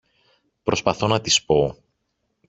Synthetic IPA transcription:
pɾo̞spɐθo̞nɐt̪ispo̞

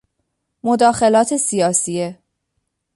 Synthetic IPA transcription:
mod̪ɒːxe̞lɒːt̪ʰe̞sijɒːsie

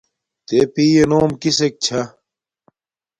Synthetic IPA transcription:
t̪epiːjenoːmkisek̚t͡ɕʰɐ

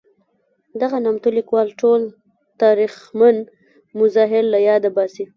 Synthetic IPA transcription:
d̪aɣanamt̪olikwɑlʈol | t̪ɑɾixman | mʊzɑɦɪlːajɑd̪abɑsi

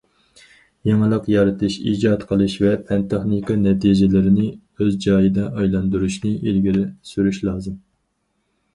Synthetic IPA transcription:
jɑŋəlˠəqjɑɾɨt̪ʰɨʃḭːd͡ʒɑt̪qʰəlˠɨʃvɛpʰɛnt̪ɑχnikɑnɛt̪ʰid͡ʒɪlɪɾɪnɪ | øzd͡ʒɑjɨd̪ɛɑjlˠɑnd̪uɾuʃnɨʔilɡʲiɾɪsyɾyʃlˠɑːzɨm

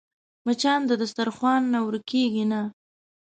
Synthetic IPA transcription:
mat͡ʃɑnd̪əd̪ʊst̪aɾxwɑnːawəɾkeɡina

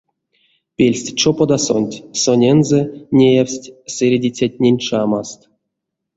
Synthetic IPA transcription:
pʲelʲsʲtʲt͡ʃopod̪aso̰nʲtʲsonʲenzɛnʲejawsʲtʲsʲeɾʲedʲit͡sʲat̚ʲnʲenʲʂamast̪

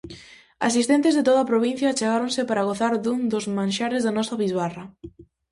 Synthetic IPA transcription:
a̰sist̪ent̪ɪzðet̪oðapɾoβ̞in̟θjat͡ʃeɣaɾonsɪpaɾaɣ̞oθaɾðund̪ʊzmãnʃaɾɪzðanɔsaβizβarɐ

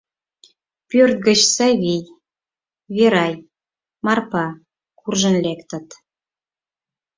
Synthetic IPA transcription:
pørt̪̚ɡət͡ɕsɑβij | βeɾɑj | mɑrpɑ | kurʒə̆nlekt̪ə̆t̪

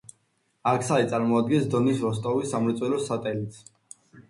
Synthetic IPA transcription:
akʰsait̪sʼaɾmɔad̪̚ɡɛnsd̪ɔnisɾɔst̪ʼɔvisːamɾɛt̪sʼwɛlɔsat̪ʼɛlit̪sʰ

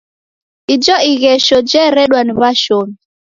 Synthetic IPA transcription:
id͡ʒɔiɣɛʃɔd͡ʒɛɾɛɗwaniβaʃɔmi

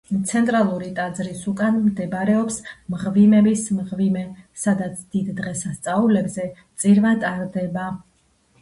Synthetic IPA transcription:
t̪sʰɛnt̪ʼɾalˠuɾit̪ʼad̪zɾisukʼanmd̪ɛbaɾɛɔpsmʁvimɛbismʁvimɛsad̪at̪sʰd̪̥id̪ːʁɛsast̪sʼaulɛbzɛt̪sʼiɾvat̪ʼaɾd̪ɛba

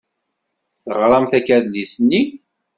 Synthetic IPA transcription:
θəʁɾˤɑmθækæðlisnːi

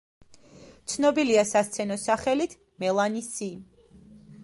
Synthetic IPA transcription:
t̪sʰnɔbiliasast̪sʰɛnɔsaχɛlit̪ʰ | mɛlˠanisi

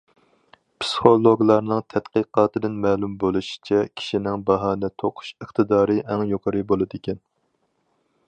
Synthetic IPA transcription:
pʰsɨ̥χolˠoɡlˠɑɾnɨŋt̪ʰɛt̪qiqɑːt̪ɨd̪ɪnmɛːlˠumbolˠuʃi̥t͡ʃʰɛkʲʰi̥ʃinɪŋbɑɦɑːnɨt̪ʰoqʰʊ̥ʃəχt̪ɨd̪ɑːɾɨʔɛŋjoqʰəɾɨbolˠɨd̪ɪkʲɛn

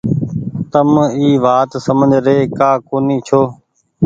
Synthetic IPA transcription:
t̪əmiːʋaːt̪səmə̃nd͡ʒɾeːkaːkoːniːt͡ʃʰoː

